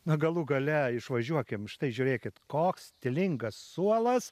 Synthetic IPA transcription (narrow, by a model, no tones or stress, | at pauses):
nɐɡɐlˠʊɡɐlʲɛɪʃʋɐʒʲuɔkʲɪmʃt̪ɐɪʒʲʊːɾʲeːkʲɪt̪koːkst̪ʲɪlʲɪŋɡɐssuɔlˠɐs